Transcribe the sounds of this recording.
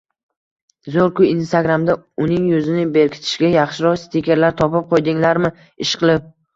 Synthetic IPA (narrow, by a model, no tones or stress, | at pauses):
zoɾkʊinst̪aɡɾamd̪aʊnɪŋjɵzɪnɪbeɾkʲʰɪ̥t̪ʰɪ̥ʃɡʲajɑχʃɪɾɒst̪ʰikʲeɾlaɾt̪ʰɒpɪp̚qʰojd̪ɪŋlaɾmɪ | ɪʃqʰɨlˠɪp̚